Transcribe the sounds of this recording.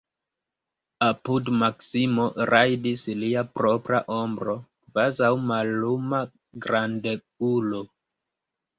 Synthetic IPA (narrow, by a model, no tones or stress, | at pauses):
apudmaksimo̞ɾʔajdisliapɾo̞pɾa̰ʔo̞mbɾo̞kvazawmalːuma | ɡɾandekulo